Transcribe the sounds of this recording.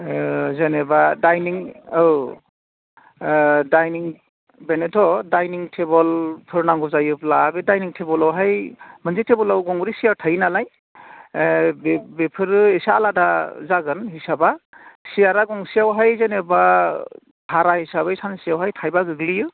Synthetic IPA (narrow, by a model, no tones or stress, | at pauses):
zenebadajniŋɯw | dajniŋ | benetʰɔdajniŋtʰebɔlpʰɯɾnaŋɡɔzajɯplabedajniŋtʰebɔlawɦajmɯnzetʰebɔlawɡɔŋbɾisijawtʰajnalaj | bbepʰɯɾɯesaːladazaɡɯnɦisabasijaɾaɡɔŋsijawɦajzeneba | tʰaɾahisaβɯjsansiawɦajtʰajbaɡɯɡlijɯ